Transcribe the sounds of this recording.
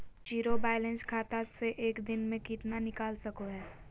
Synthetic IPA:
d͡ʒiːɾobaːɪlẽnskʰaːt̪aseʔeːkd̪ɪnmẽkɪt̪nanɪkaːlsɐkoɦɛː

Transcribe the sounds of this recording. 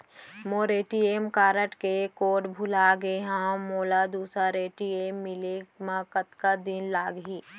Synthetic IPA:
moɾeːʈieːmkaːɾəʈkekoːʈbʱʊlaɡeɦãmoːlad̪uːsɾaɾeːʈieːmːɪlemãkət̪kad̪ɪnlaːɡɦiː

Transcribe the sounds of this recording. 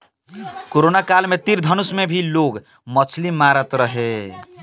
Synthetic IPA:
koɾonakalmet̪iɾd̪ʱʌnusmebʱiloɡ | mʌt͡sʰlimːaɾʌt̪rʌɦe

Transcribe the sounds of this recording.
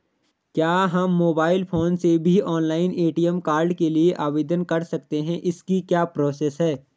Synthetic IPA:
kjaːɦɐmːoːbaːɪlpʰoːnsebʱiɔːnlaːɪneːʈijəmkaːɾɖkelieʔaːʋeːd̪ənkɐɾsɐk̚t̪eɦɛ̃ʔɪskikjaːpɾɔːsesɦɛː

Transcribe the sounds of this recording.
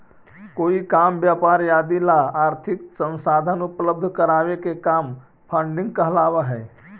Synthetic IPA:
koːikambjaːpaːɾjaːd̪ilaaːɾt̪ʰɪk̚sənsaːd̪ʱənupləb̚d̪ʱkəɾaːʋekekaːm | pʰə̃ɳɖɪ̃ŋɡ̚kəɦlaːʋaɦɛː

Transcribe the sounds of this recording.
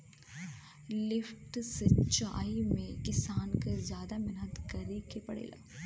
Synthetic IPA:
lɪfʈsət͡ʃa̰ːimẽkɪsaːnkazjaːd̪amɪnɦət̪kɐɾekepɐɽḛːla̰ː

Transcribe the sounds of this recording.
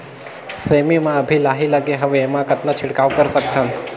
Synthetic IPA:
semimãəbʱilaɦiləɡeɦəʋeːmãkət̪nət͡ʃʰiɽkaʋkəɾsək̚t̪ʰən

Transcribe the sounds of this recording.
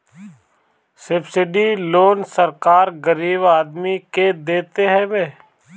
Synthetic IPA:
sɐbsɪɖiloːnsɐɾkaːɾɡəɾiːbaːd̪miked̪eːt̪eɦɛ̃bẽː

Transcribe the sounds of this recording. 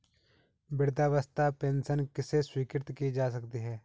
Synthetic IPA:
bɪɾd̪aʋəst̪apẽːnsənkɪseswiːkɪɾt̪kid͡ʒaːs̬ɐkt̪iɦɛː

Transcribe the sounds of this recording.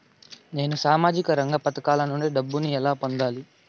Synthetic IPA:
ne̞ːnusaːmaːd͡ʒikɐɾɐŋɡɐpɐt̪ɐkaːlɐnuɳɖiɖɐbːuniɛlaːpo̞nd̪aːli

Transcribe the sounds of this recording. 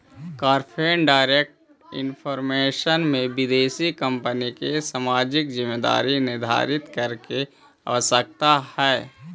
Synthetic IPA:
kaːɾpʰeːnɖaːɪɾeːk̚ʈ̚ | ɪ̰npʰɔːɾmeːʃənmẽʋɪd̪eːsikə̃mpənikesamaːd͡ʒɪkzɪmːeːd̪a̰ːɾinɪd̪ʱa̰ːɾɪt̪kəɾke | a̰əsək̚t̪ahɛː

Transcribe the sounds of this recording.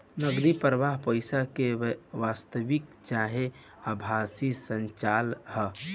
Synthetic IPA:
nəɡd̪ipɾəʋaɦpəjsakeʋast̪əʋikt͡ʃaɦe | abʱasisənt͡ʃalhə

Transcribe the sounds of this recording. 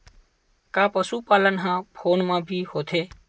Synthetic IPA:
kaːpəsupaːlənɦãːpʰoːnmãbʱiːhoːt̪ʰeː

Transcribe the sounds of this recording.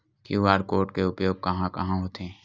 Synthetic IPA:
kiuaːɾkoːɾʈkeʊpjoːɡ̚kɐɦãkɐɦãɦoːt̪eɦẽː

